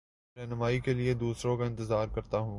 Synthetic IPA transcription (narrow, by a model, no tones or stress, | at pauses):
ɾɛːɦnʊmaːikelied̪uːsɾõkaɪ̃nt̪ɪzaːɾkɐɾt̪aɦũː